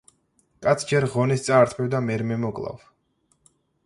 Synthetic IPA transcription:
kʼat̪sʰd͡ʒɛɾʁɔnist̪sʼaːɾt̪ʰmɛvd̪amɛɾmɛmɔkʼlˠa̰v

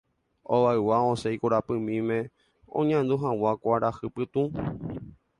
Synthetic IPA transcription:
õʋaewaõsejkoɾapɨ̃mĩmẽ | õ̰ɲãnd̪uɦãwakʷaɾahɨpɨt̪ũ

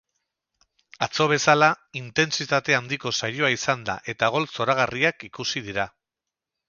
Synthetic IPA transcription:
at͡so̞β̞e̞salaint̪e̞nsit̪at̪e̞and̪iko̞sajo̞aisand̪a̰ʔe̞t̪aɣ̞o̞lso̞ɾaɣ̞ariakikusið̞iɾa

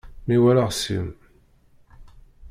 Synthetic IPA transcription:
miwælaʁsḭm

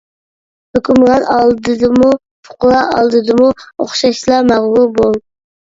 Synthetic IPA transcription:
høkʲʰymʁɑnɑlˠd̪ɨd̪ɨmu | fʰʊ̥qʊlˠɑɑ̰lˠd̪ɨd̪ɨmuoχʃɑʃlˠɑmæʁlˠubolˠ

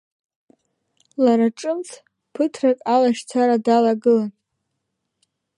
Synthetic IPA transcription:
laɾaʈ͡ʂʼɨmt͡sʰ | pʰɨtʰrakʼalaʃt͡sʰaɾadalaɡɨlan

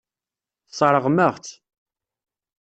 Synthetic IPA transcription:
θsˤɑɾˤəʁməʁθ

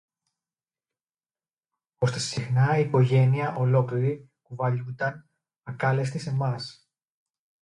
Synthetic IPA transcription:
o̞st̪esixnɐiːko̞ʝe̞niɐʔo̞lo̞kliɾi | puvɐʎund̪ɐn | ɐkɐlest̪ise̞mɐs

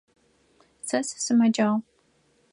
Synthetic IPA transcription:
t͡sʰɐssɨmɐd͡ʒaʁ

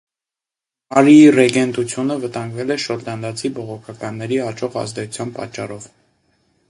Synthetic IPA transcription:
ɑɾiirɛɡɛnd̪ut͡sʰjunəvət̪ɑŋɡvɛlɛʃɔɾd̪ɑnd̪ɑt͡sʰibɔʁɔkʰɑkɑnːɛɾiɑt͡ʃɔʁɑ̰zd̪ɛt͡sʰu̥t͡sʰjɑnpɑ̰t͡ʃːɑrɔv

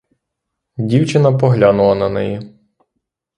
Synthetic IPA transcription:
dʲiwt͡ʃɪnɐpɔɦlʲanʊlˠɐnɐnɛ̰ji

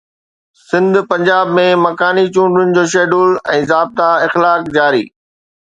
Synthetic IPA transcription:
sɪ̃nd̪ʱpɐ̃ɲd͡ʑaːbmẽmɐkaːnit͡ɕũːɳɖʊnɪ̆d͡ʑoːʃ̬eːɖuːlɛ̰̃ːzaːb̚t̪aɪxlaːkd͡ʑaːɾḭː

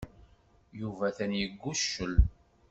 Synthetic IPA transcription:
juvæθænjəɡːuʃːəl

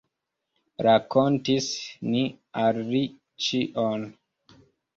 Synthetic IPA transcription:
ɾakontisni | alːi | t͡ʃiʔon

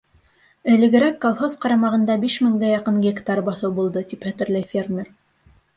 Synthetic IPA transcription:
ɘ̆lɘ̆ɡɘ̆ɾækːolˠχozqɑɾɑmɑʁɤ̆nd̪ɑbiʃmɘ̆ŋɡæjɑqɤŋɡʲekt̪ɑɾbɑθɤbulˠd̪ɤt̪iphæ̆t̪ɘ̆ɾlæjfʲermʲer

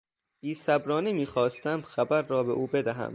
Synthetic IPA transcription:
iːsæbɾɒːnimiːxɒːst̪æmxæbæɾːɒːbeʔuːbe̞d̪æɦæ̰m

